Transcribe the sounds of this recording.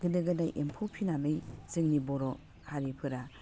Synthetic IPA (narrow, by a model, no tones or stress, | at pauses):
ɡɯdɯɡɯdajʔempʰɔpʰinamɯjzɯŋnibɔɾɔ | haɾipʰɯɾa